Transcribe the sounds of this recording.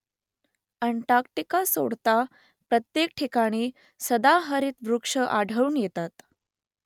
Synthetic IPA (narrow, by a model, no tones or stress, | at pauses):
əɳʈakʈikaso̰ɽt̪a | pɾət̪jekʈʰikaɽ̃iː | səd̪aɦəɾiːt̪ʋɾukʂəʔaɽʱəuːnjet̪at̪